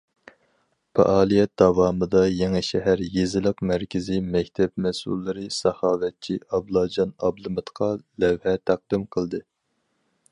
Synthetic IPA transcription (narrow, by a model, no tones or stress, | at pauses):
pʰɑ̰ʔɑːlˠijɛt̪̚d̪ɑvɑːmɨd̪ɑjeŋɪʃɛɦæɾjezɪlˠɨqmæɾkʲʰɪzimɛkʲt̪ʰɛpmɛsṵlˠːɨɾɨsɑhɑːvɛt̪̚t͡ʃʰiʔɑblˠɑd͡ʒɑnɑblˠɨmɨt̪qʰɑlɛwhɛt̪ʰæq̚d̪ɨmqʰəlˠd̪ɨ